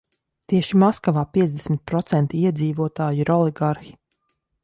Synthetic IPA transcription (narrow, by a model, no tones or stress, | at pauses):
t̪iɛʃimɔskavaːpiɛzd̪ɛsmit̪̚pɾɔt̪sɛnt̪iiɛd̪ziːvuɔt̪aːjuiɾɔliɡaɾxi̥